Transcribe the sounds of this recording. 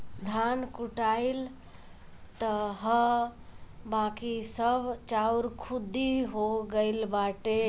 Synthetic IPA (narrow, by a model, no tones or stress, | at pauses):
d̪ʱankuʈail | t̪əɦə | bãkisəbʱt͡ʃauɾkʰud̪iɦoɡəɪlbaʈe